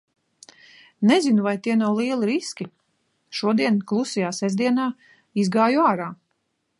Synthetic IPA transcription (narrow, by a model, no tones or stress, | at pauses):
nɛzinuvajt̪iɛnawlˠiɛlˠiɾiskʲi | ʃuɔd̪iɛnklˠusijaːsɛzd̪iɛnaː | izɡaːjuaːɾaː